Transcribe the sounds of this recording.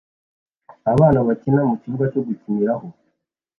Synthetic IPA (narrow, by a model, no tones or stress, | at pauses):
aβaːnaβacinamuciβuɡat͡ʃo̞ɡucimiɾaɦo̞